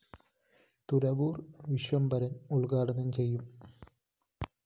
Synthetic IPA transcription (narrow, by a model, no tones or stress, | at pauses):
t̪uɾɐʋuːrʋiɕʋɐmbɐɾɐnuɭkaːɽɐnɐnt͡ɕe̞jːum